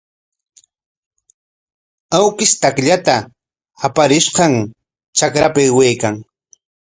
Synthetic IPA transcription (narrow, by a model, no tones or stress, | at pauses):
awkɪst̪akʎat̪a | apaɾɪʃqɑŋ | t͡ʃakɾapawejkaŋ